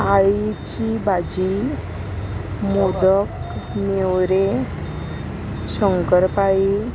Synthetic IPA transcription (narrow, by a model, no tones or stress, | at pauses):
aɭit͡ɕibad͡ʑi | mod̪əkmewɾe | ɕəŋkəɾpai